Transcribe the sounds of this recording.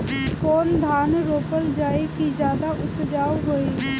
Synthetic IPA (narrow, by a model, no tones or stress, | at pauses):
kɔːnd̪ʱaːnɾoːpəld͡ʒaːekid͡ʒjaːd̪aʔʊt̪d͡ʒaːwɦoːi